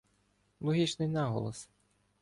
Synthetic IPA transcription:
lˠɔɦʲit͡ʃnɪjnɑɦɔ̰lˠɔ̰s

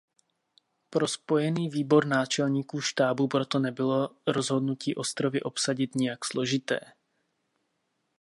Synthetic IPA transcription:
pɾo̞spo̞jɛniːviːbo̞ɾnaːt͡ʃɛlɲiːkuːʃt̪aːbupɾo̞t̪o̞nɛbɪlo̞ɾo̞zɦo̞dnuciːʔo̞st̪ɾo̞vɪʔo̞psaɟɪt̪ɲɛjakslo̞ʒɪt̪ɛ̰ː

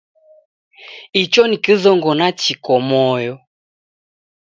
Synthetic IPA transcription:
it͡ʃɔnikizɔŋɡɔnat͡ʃikɔmɔjɔ

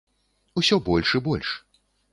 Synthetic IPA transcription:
usʲɔbɔlʲʂɨbɔlʲʂ

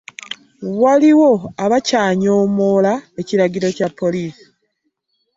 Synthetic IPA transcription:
waliwo̞aβacaːɲoːmo̞ːlae̞ciɾaɟiɾo̞capʰːo̞liːsi̥

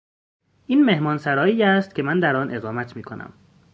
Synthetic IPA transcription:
ʔiːnme̞hmɒːnsæɾɒːiːjæst̪̚cʰemænd̪æɾɒːnʔe̞ɣɒːmæt̪ʰmiːkʰo̞̰nʔæ̰m

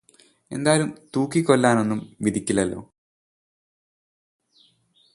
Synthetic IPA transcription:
e̞̰nd̪aːjlumt̪uːkːikːo̞lːaːno̞nːumʋid̪ʱikʲːilɐlːo̞̰ː

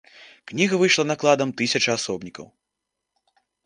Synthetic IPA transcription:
knʲiɣɐvɨʂlˠɐnaklˠad̪ɐmt̪ɨsʲɐt͡ʂɐasɔbnʲikɐ̰w

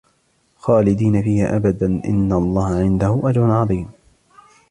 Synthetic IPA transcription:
xɑːlɪd̪iːnafiːhaʔabad̪anʔɪ̰nːalˤːɑːhaʕɪnd̪ahʊʔad͡ʒɾʊnʕɑðˤiːm

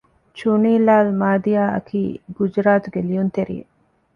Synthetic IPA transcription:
t͡ʃuniːlaːlmaːd̪ijaːʔɐ̰kʰiːɡud͡ʒɾaːt̪uɡelijunt̪eɾḭːḛ

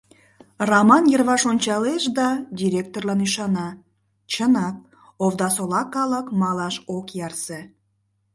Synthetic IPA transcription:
rɑmɑnjərβɑʃonʲt͡ɕɑleʃd̪ɑdʲiɾʲek̚t̪orlɑniʃɑnɑ | t͡ɕənɑk̚ | ovd̪ɑsolɑkɑləkmɑlɑʃokjɑrse

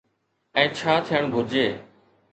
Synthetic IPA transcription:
ɛ̃ːt͡ɕʰaːt̪ʰɪjəɳ̃bʱʊd͡ʑeː

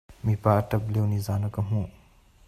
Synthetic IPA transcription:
mipatɐblewnizanɐkɐmũ

